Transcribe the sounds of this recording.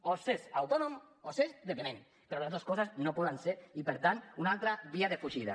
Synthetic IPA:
osesawt̪onomosezðepemẽn | peɾolaoskɔsaznopɔðanseɾipeɾt̪ant̪unalˠt̪ɾaβiaðefuʒiða̰

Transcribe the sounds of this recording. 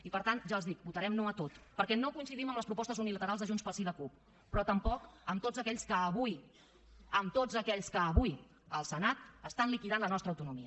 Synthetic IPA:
ipəɾt̪anʒaəlˠzðik̚but̪əɾɛmnoət̪ot̪pəɾkɛnokuinsiðiməmləspɾupɔst̪əzunilət̪əɾalzðəʒunspəlsiðəkupː | ɾɔt̪əmpɔkəmt̪od͡zəkɛʎskəːβui | əmt̪od͡zəkɛʎskəːβui | əlˠsənat̪əst̪anlikiðanlənɔst̪ɾəːwt̪unumiə

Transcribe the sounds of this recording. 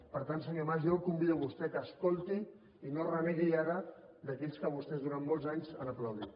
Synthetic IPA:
pəɾt̪ans̬əɲomaʒolˠkumbiðuəβust̪ɛkəːskolˠt̪i | inorəmɛðiaɾə | d̪əkɛʎskəβust̪ɛzðuɾamːɔlˠzaɲzənəpləwðḭ

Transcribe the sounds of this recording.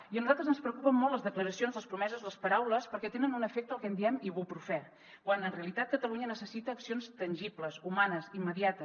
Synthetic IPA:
iənuzalˠt̪ɾəzənspɾəkupəmːɔltləzðəkləɾəsionzðləspɾumɛzəzləspəɾawləspəɾkɛt̪enənunəfek̚t̪əlˠkɛnd̪iɛmiβupɾufɛ | kwanənreəlit̪at̪̚kət̪əluɲənəsəsit̪əːksionst̪ənʲʒipləsumanəzimːəðiat̪ə

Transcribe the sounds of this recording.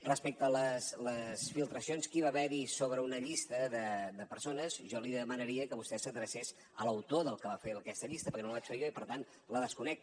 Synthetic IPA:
rəspɛk̚t̪ələsləsfilˠt̪ɾəsionskiβaβɛɾisoβɾəunəʎist̪əðəd̪əpəɾsonəzʒɔliðəmənəɾiəkəβust̪ɛsəðɾəses | ələwt̪oðəlˠkəβafeəkɛst̪əʎist̪əpəɾkɛnolβat͡ʃfeʒoipəɾt̪an | ləðəskunɛk̚

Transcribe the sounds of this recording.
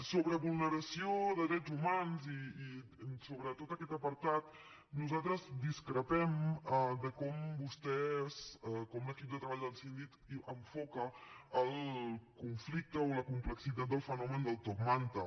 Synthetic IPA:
soβɾəβulˠnəɾəsioðəðɾɛzumanziː | soβɾət̪ot̪əkɛt̪əpəɾt̪at̪ | nuzalˠt̪ɾəzd̪iskɾəpɛməd̪əkɔmbust̪ɛzəkɔmləkip̚d̪ət̪ɾəβaʎjd̪əlˠsind̪it̪əɱfɔkəːlˠkuɱflik̚t̪əoləkumpləksit̪at̪̚d̪əlˠfənɔmənd̪əlˠt̪okmant̪ə

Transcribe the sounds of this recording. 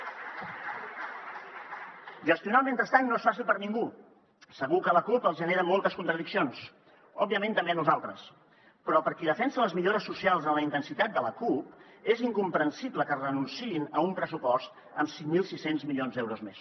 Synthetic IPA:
ʒəst̪iunamẽnt̪ɾəst̪aɲnoesfas̬ilˠpəɾniŋɡu | səɣukələkupəlˠzʒəneɾəmolˠt̪əskunt̪ɾəðiksions | ɔbiəmẽnt̪əmbeənuzalˠt̪ɾəs | pɾɔpəɾkiðəfɛnsələzmiʎoɾəsːusialˠzðələint̪ənsit̪at̪̚d̪ələkupeziŋkumpɾənsibləkərənunsiinəumpɾəsupɔst̪ | əmsiŋmilˠsisenzmilionzd̪ɛwɾuzmes

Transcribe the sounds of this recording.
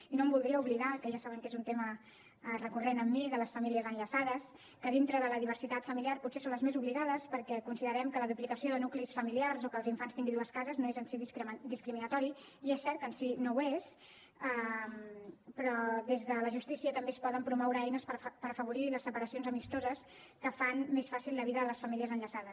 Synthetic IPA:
inombulˠd̪ɾiəuβliðakəʒasaβəŋkezunt̪emə | rəkurenəmːiðələsfəmiliəzənʎəsaðəs | kəðint̪ɾəðələðiβ̞əɾsit̪at̪fəmiliarputsesonləzmezuβliɣaðəspəɾkɛkunsiðəɾɛmkələðuplikəsioðənuklisfəmiliarzokəlˠziɱfanst̪iŋɡinðuəskazəznoezənsiðid̪iskɾiminət̪ɔɾi | iesːɛɾt̪̚kənsinowes | əmpɾɔðezðələʒust̪isiət̪əmbespɔðəmpɾumɔwɾəɛjnəspəpəɾəfəβ̞uɾiləsːəpəɾəsionzəmist̪ozəs | kəfanmesfasilˠləβiðəðələsfəmiliəzənʎəsaðəs

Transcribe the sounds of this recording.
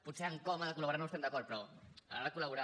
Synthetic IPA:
put̪seəŋkɔmaðəkulɐβuɾaɾnoəst̪ɛmd̪ɐkɔɾt̪̚pɾɔa̰aɾakulaβuɾa

